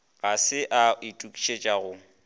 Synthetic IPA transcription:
ɣasɪʔaitʼukʼi̥ʃet͡ʃʼaɣʊ

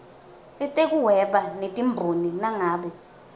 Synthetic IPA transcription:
ɛtʼek̬ʼuwɛɓanetʼimbʱoninaŋaːɓɛ

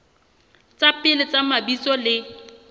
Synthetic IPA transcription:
t͡sapʼɪlɪt͡sʼamabit͡sɔlɪ

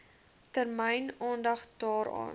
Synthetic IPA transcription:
tərməjnɑːndɐχdɑːɾɑ̰ːn

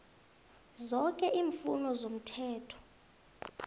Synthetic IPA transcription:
zɔkʼɛʔiːɱfṵnɔzom̩tʰɛːtʰɔ̥

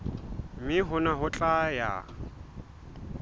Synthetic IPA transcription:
mɪɦʊnaɦʊt͡ɬʼaja̰

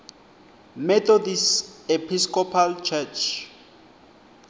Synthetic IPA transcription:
mɛt̪ʰɔdisepʰiskɔpʰalt͡ʃʰɛt͡ʃʰ

